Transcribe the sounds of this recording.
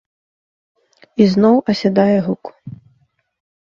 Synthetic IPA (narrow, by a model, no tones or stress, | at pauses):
iznɔwʔɐsʲad̪ajɛɣuku̥